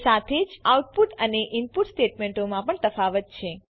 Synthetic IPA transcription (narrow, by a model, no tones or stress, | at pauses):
sat̪ʰed͡ʒauʈ̚puʈəneʔɪmpuʈsʈeʈmẽɳʈomãpəɳt̪əfaʋət̪̚t͡ʃʰe